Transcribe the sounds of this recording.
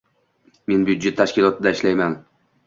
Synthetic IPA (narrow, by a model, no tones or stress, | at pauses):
me̞nbjʊd̪d͡ʒet̪ʰːaʃkʲɪlˠɒt̪ʰɪd̪aɪʃlajman